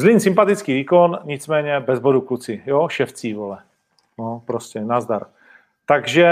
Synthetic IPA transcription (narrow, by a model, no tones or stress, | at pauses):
zlɪnsɪmpat̪ɪt͡skiːviːko̞nɲɪt͡smɛːɲɛbɛzbo̞duklut͡sɪjoʃɛft͡siːvolɛ | nopɾoscɛnazd̪aɾ | t̪aɡʒɛ